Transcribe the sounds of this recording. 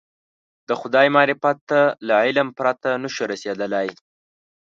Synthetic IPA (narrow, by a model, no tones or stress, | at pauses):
d̪̥əxʊd̪ɑjmɑɾɪfat̪ːalaʕɪlampɾat̪anəʃuɾased̪əlaj